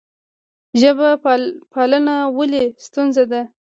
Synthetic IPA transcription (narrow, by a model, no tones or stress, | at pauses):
ʒəbapalənawəlest̪unzad̪a